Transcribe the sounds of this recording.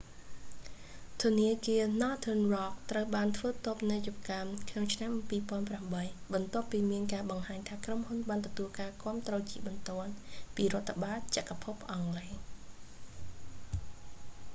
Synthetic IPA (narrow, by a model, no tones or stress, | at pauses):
t̪ʰuəniəkiənɑːt̪ʰənrɑːk̚t̪rəwɓaːnt̪ʰʋəːt̪op̚nɨjup̚kamkʰnoŋt͡ɕʰnampiːpŏənpramɓəjɓɑnt̪ŏəpːiːmiənkaːɓɑŋhaːɲt̪ʰaːkromhunɓaːnt̪ɔt̪uəlkaːkŏəmt̪rɔːt͡ɕiəɓɑnt̪ŏənpiːɾŏət̪ʰːaɓaːt̪̚t͡ɕăʔkapʰup̚ʔɑŋleː